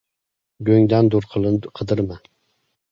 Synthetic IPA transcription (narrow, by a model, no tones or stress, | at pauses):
ɡʲøŋd̪ænd̪uɾqʰˠqʰɨd̪ɨɾma